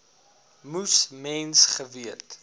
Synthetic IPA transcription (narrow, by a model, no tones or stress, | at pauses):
musmɛnsχəviət